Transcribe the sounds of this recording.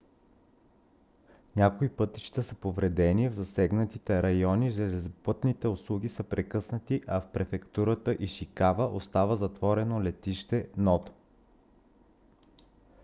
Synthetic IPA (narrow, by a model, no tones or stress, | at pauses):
nʲakoipɤt̪it͡ʃt̪əsəpovɾɛd̪ɛnivzɐsɛɡnət̪it̪ɛɾɐjɔniʒɛlɛzopɤt̪nit̪ɛʊslˠuɡʲisəpɾɛkɤsnət̪iʔɐfpɾɛfɛkt̪uɾət̪əʔiʃikavəʔost̪avəzɐt̪vɔɾɛnolɛt̪iʃt̪ɛnɔt̪o̥